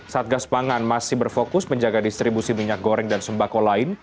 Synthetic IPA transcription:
saat̪̚ɡaspaŋanmasɪhbərfokʊsməɲd͡ʒaɡadist̪ɾibusimiɲak̚ɡoɾɛŋdansəmbakolaɪn

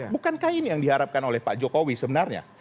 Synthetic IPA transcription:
bukankainijaŋdiɦaɾap̚kanolɛhpaʔd͡ʒokowisəbənarɲa̰

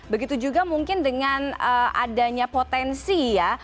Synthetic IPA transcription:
bəɡit̪ud͡ʒuɡamuŋkɪndəŋanəʔa̰daɲapot̪ɛnsija

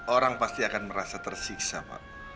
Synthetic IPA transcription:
ʔoɾaŋpast̪iakanməɾasat̪ərsiksapa̰ʔ

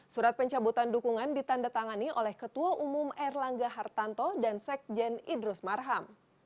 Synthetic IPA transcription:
suɾat̪̚pəɲt͡ʃabut̪andukuŋandit̪andat̪aŋaniʔolɛhkət̪uaʔumumɛrlaŋɡaɦart̪ant̪ɔdansɛk̚d͡ʒɛnidɾusmarɦam

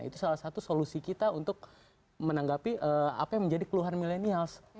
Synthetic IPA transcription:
ḭt̪usalahsat̪usolusikit̪aunt̪ʊk̚ | mənaŋɡapiʔəa̰pajaŋmə̃ɲd͡ʒadikəluɦarmilenials

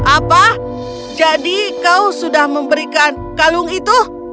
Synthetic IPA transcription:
ʔapa | d͡ʒadikausudahməmbəɾikan | kalʊŋit̪u

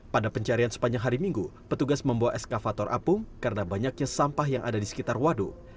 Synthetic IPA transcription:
padapəɲt͡ʃaɾiansə̥paɲd͡ʒaŋɦaɾimiŋɡupət̪uɡasməmbawaʔɛskafat̪ɔrʔa̰pʊŋkaɾənabaɲak̚ɲasampahjaŋʔa̰dadisə̥kit̪arwadu

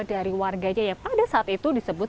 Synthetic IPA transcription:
daɾiwarɡaɲajaŋpadasaʔat̪it̪udisəbʊt̪̚

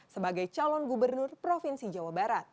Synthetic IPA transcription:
səbaɡajt͡ʃalɔnɡubərnʊrpɾofinsid͡ʒawabaɾat̪̚

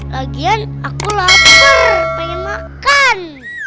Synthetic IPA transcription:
laɡianakulatarpaŋɛnmakan

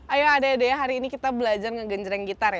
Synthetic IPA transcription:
ajoadaːdajaɦaɾiːnikit̪abəlad͡ʒarŋəɡəɲd͡ʒəɾanɡit̪arja

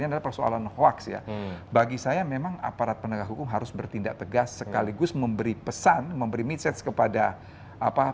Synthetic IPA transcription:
ɲadalapərsoa̰lanhwaksja̰baɡisajamemaŋa̰paɾat̪̚pənəɡaɦukʊmɦaɾʊsbərt̪indaʔ̚t̪əɡasːəkaliɡʊsməmbəɾipəsanməmbəɾimit̪sɛt̪skəpada | apa

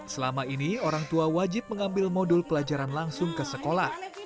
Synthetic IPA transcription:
səlamainioɾaŋt̪uawad͡ʒɪp̚məŋambɪlmodʊlpəlad͡ʒaɾanlaŋsʊŋkəsəkolah

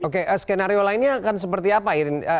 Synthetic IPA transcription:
okeʔəskenaɾiolainɲakans̬əpərt̪iapaiɾnə

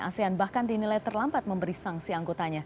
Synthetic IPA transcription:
a̰seanbahkandinilajt̪ərlambat̪̚məmbəɾisaŋsiaŋɡot̪aɲa

